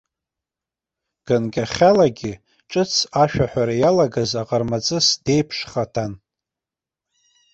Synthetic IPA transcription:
ɡ̥anɡʲaχʲalaɡʲɪ | ʈ͡ʂʼɨt͡sʰaʃᶣaħʷᶣaɾajalaɡazaqʼarmat͡sʼɨsd̥e̞jpʰʂχatʰan

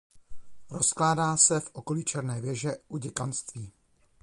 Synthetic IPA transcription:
ɾo̞sklaːdaːsɛfʔo̞ko̞liːt͡ʃɛɾnɛːvjɛʒɛʔuɟɛkanst̪viː

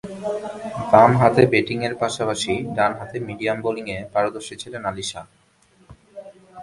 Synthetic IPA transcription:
d̪anɦat̪ebeʈiŋeɾpaʃapaʃiɖanɦat̪emiɖiamboliŋepaɾod̪oɾʃit͡ɕʰilenaliʃa̰

